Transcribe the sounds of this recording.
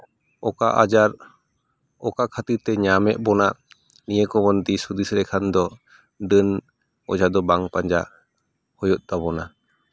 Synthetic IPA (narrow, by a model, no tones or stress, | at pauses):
ɔkaʔa̰d͡ʒaɾ | ɔkakʰat̪iɾt̪ɛɲamɛʔ̚bɔnaʔ | nijekɔbɔnd̪isud̪isɾɛkʰand̪ɔ | ɖən | ɔ̰d͡ʒad̪ɔbaŋpaɲd͡ʒa̰ | hɔjɔt̪̚t̪abɔna